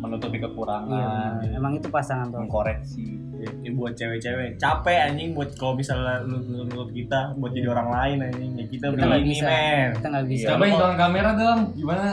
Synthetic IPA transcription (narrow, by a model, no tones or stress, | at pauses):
mənut̪upikəkuɾaŋanemaŋit̪upasaŋant̪ɔəŋkoɾɛksi | ɛ | ɛbuat̪̚t͡ʃewɛt͡ʃewɛt͡ʃapɛaɲɪŋbuat̪̚kalomisalnunut̪ʊp̪̚kit̪abuat̪̚d͡ʒadioɾaŋlaɪnaɲɪŋjakit̪aibialaimɛit̪aŋɡabisjapait̪oɾaŋkameɾadalamɡimana